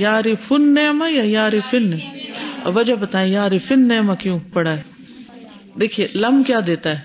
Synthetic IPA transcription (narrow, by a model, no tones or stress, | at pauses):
jaːɾifʰʊnːejmãjajaːɾifɪn | ʋɐd͡ʒɐbɐt̪aːẽjaːɾifɪnːejmãkjũpɐɽaːɛ | d̪eːkʰielɐmkjaːd̪eːt̪aɦɛː